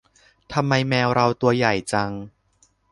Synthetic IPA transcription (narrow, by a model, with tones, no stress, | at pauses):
t̪ʰa˧mːa˧jmɛː˧wɾa˧wt̪u˧ɐja˨˩jt͡ɕa˧ŋ